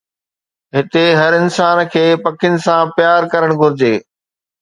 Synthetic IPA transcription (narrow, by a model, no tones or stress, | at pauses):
ɦɪt̪eɦɐɾɪnsaːnkʰeːpɐkɪnɪ̆sãpjaːɾkɐɾəɽ̃ɡʱʊɾɪd͡ʑeː